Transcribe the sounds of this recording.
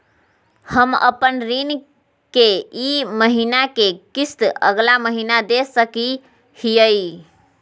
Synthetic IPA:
həmə̰pənɾin | keiməɦinakekist̪ə̰ɡlaməɦinad̪esəki | hijəj

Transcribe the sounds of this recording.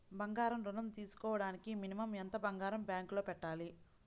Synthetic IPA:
bɐŋɡaːɾɐmɾunɐmt̪iːsu̥kɔːʋɐɽaːnikiminimɐment̪ɐbɐŋɡaːɾɐmbjaːŋklo̞ːpɛʈːaːli

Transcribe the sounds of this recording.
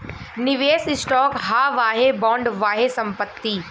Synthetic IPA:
nɪʋeːsɪsʈɔːkɦaːʋaːɦebɔ̃ːɳɖʋaːɦesɐ̃mpət̪ːiː

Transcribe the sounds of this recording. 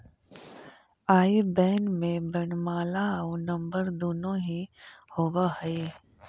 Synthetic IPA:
aːibɛːnmẽbəɳmaːlaonɐ̃mbəɾd̪oːnõɦihoːʋahəe

